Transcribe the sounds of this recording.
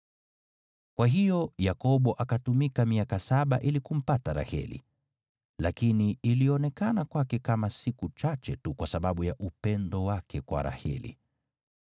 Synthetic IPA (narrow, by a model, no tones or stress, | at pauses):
kwaɦijɔjakɔɓɔʔakatumikamiakasaɓaʔilikum̩pataɾa̰hɛ̰lḭ | lakiniːliɔnɛkanakwakɛkamasikut͡ʃat͡ʃɛtukwasaɓaɓujaʔupɛndɔwakɛkwa̰ɾa̰hɛ̰lḭ